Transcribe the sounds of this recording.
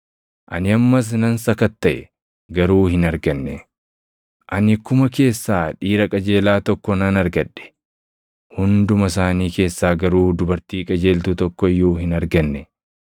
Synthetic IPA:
ʔɐnɪɐmːɐs̬nɐnsɐkɐt̪ːɐʔɛ | ɡɐɾuːhɪnɐɾɡɐnːɛ | ʔɐnɪkʊmɐke̞ːsːaːᶑiːɾɐkʼɐd͡ʒe̞ːlaːt̪ɔkːɔnɐnɐɾɡɐᶑːɛ̥ | hʊnd̪ʊmɐs̬aːniːke̞ːsːaːɡɐɾuːd̪ʊbɐɾt̪iːkʼɐd͡ʒe̞ːlt̪ʊt̪ɔkːɔɪjːuːhɪnɐɾɡɐnːɛ

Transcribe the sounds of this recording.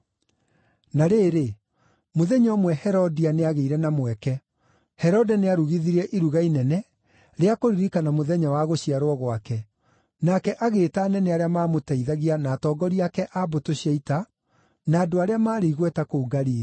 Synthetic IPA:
naɾeːɾe | moðɛɲɔmwɛhɛɾɔdianeaɣeiɾɛnamwɛkɛ | hɛɾɔdɛneaɾuɣiðiɾɛʔiɾuɣainɛnɛ | ɾeakoɾiɾikanamoðɛɲawaɣoɕiaɾwɔɣwakɛ | nakɛʔaɣeːtaːnɛnɛaɾeamaːmotɛiðaɣianaːtɔːɡɔɾiakɛʔabotoɕiaita | naːdoaɾeamaːɾiiɣwɛtakouɡaɾiːɾ

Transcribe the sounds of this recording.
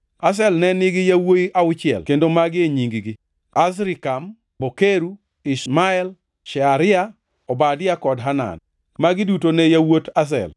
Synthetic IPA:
as̬ɛlnɛnɪɡɪjawoiʔaʊt͡ʃɪɛ̰lkendomaɡɪeɲiŋɡiɡɪ | as̬ɾɪkam | bokeɾu | ɪsmaɛl | ʃɛaɾɪa | ɔbadɪakɔdɦana̰n | maɡɪdutonɛjawotas̬ɛ̰l

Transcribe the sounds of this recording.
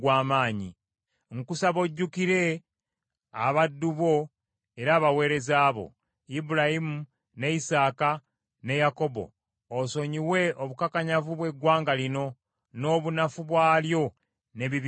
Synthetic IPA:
ɡwaːmaːɲḭ | ŋkusaβo̞ɟːukiɾe̞ | aβadːuβo̞ | e̞ɾaːβawe̞ːɾe̞zaːβo̞̰ | ibuɾaimu | ne̞isaːka | ne̞jako̞bo̞̰ː | so̞ɲiwe̞oβukakaɲavuβwe̞ɡwaːŋɡalino̞ | no̞ːβunafuβwaːljo̞ | ne̞βiβ

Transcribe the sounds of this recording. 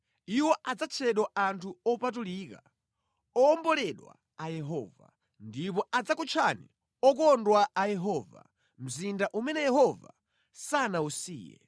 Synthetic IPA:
iwɔʔad͡zat͡ʃʰɛɗwaantʰuɔpat̬uliːka̰ | ɔːmbɔlɛɗwa̰ | ajɛɦɔ̰ːva̰ | ndip̬ɔad͡zakut͡ʃʰanḭ | ɔk̬ɔndwaʔajɛɦɔva̰ | m̩zindaʔumɛnɛjɛɦɔva̰ | sanausḭːjɛ̰

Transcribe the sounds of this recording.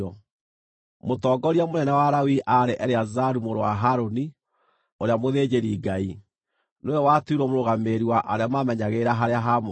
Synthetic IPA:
ɔ | motɔːɡɔɾiamonɛnɛwaɾawiʔaɾeʔɛɾeazaɾumoɾowa̰ɦaɾoni | oɾeamoðed͡ʑeɾiɡai | nojɔwatuɾɔmoɾoɣameɾiwaʔaɾeamamɛɲaɣeɾaɦaɾeaɦamo

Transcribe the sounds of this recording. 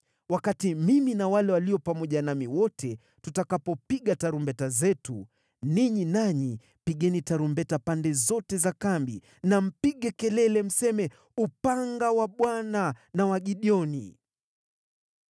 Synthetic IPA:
wakatimiminawalɛwaliɔpamɔʄanamiwɔtʰɛ | tutakapɔpiɠataɾumbɛtazɛtu | niɲinaɲi | piɠɛnitaɾumbɛtapandɛzɔtɛzakambḭ | nam̩piɠɛkɛlɛlɛm̩sɛmɛ | upaŋɡawaɓwananawaɠiɗiɔnḭ

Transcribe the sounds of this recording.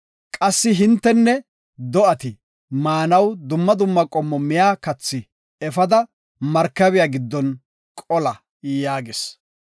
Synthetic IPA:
kʼɐsːɪɦɪnt̪ːɛnːɛ | d̪ɔʔɐt̪ɪ | maːnɐwd̪ʊmːɐd̪ʊmːɐkʼɔmːɔmɪjaːkɐt͡sːɪ | ɛfɐd̪ɐ | mɐɾkːɐβɪjaɡɪd̪ːɔn | kʼɔlɐ | jaːɡɪs

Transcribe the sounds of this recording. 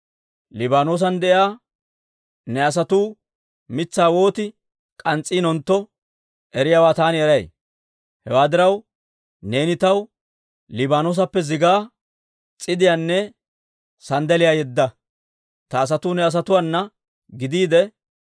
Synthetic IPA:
lɪbaːnoːs̬ɐnd̪ɛʔjaː | nɛɐs̬ɐt̪uː | mɪt͡sːaːwo̞ːt̪ɪ | kʼɐnt͡sʼːiːnɔnt̪ːɔ | ʔɛɾɪjaːwaːt̪aːnɪɛɾɐj̰ | hɛwaːd̪ɪɾɐw | ne̞ːnɪt̪ɐw | lɪbaːnoːs̬ɐpːɛzɪɡaː | t͡sʼɪd̪ɪjaːnːɛ | sɐnd̪ɛlɪjaːjɛd̪ːɐ | t̪ɐːs̬ɐt̪uːnɛɐs̬ɐt̪ʊwanːɐ | ɡɪd̪iːd̪ɛ

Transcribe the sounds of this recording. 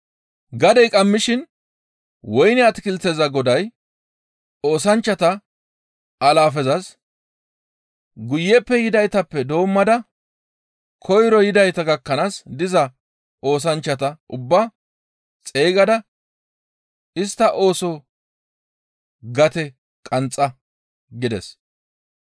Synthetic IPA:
ɡɐd̪ɛjkʼɐmːɪʃɪn | wɔjnɪɐt̪ɪkɪlt͡sːɛzɐɡɔd̪ɐj | oːsɐnt͡ʃːɐt̪ɐ | ʔɐlaːfɛzɐs | ɡʊjːɛpːɛjɪd̪ɐjt̪ɐpːɛd̪o̞ːmːɐd̪ɐ | kʰɔjɾɔjɪd̪ɐjt̪ɐɡɐkːɐnaːsd̪ɪzɐ | ʔo̞ːs̬ɐnt͡ʃːɐt̪ɐʔʊbːa | t͡sʼeːɡɐd̪ɐ | ɪst̪ːɐʔo̞ːsɔ | ɡɐt̪ɛ | kʼɐnt͡sʼːɐ | ɡɪd̪ɛs

